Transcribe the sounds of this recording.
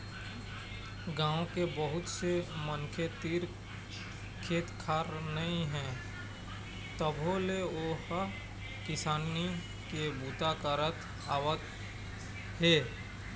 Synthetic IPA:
ɡãːõkebəɦʊt̪semənkʰet̪iːɾ | kʰeːt̪kʰaːɾnəĩɦɛ̃ː | t̪əbʱõleoːhə | kɪsaːni | kebuːt̪akəɾət̪ | aːwət̪ | ɦeː

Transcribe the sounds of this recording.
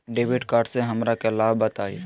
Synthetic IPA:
ɖeːʋɪɖkaːɾɖseɦɐmɾakelaːbbət̪aːie

